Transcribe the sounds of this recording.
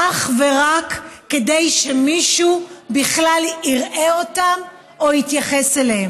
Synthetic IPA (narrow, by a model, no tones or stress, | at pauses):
aχve̞ʁakːedejʃe̞miʃubiχlaliʁʔe̞o̞tam | ohit̪jaχe̞selehem